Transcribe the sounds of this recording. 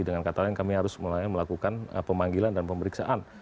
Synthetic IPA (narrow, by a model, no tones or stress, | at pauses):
idəŋankat̪alɛnkamiɦaɾʊsməlaɲaməlakukanə̰pəmaŋɡilandanpəmbəɾiksaʔan